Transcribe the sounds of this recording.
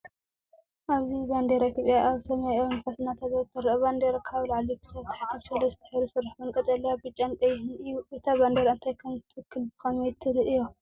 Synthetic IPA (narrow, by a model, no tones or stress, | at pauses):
ʔaβziband̪eɾait̪ʰjopʼjaʔaβsɐmajʔɐmfɐsnat̪ʰazɐt̪ʰːɐɾɐβand̪eɾɐkʰaβlaʕlikʰɨ̥sɐβt̪ʰɐ̥ħak̪ʰːɐβsɐlɐzɨ̥t̪ʰɐ̥ħiɾusɨɾaħbɐnkʼɐt̪ʼɐlːɐjabɨt͡ʃʼːant̪ʼɐjhɨnɨjuet̪ʰaβand̪eɾaɨnt̪ʰajkʰɐmt̪ʰkʰːɨlbɨkɐmet̪ʰːɨɾɨʔɨjo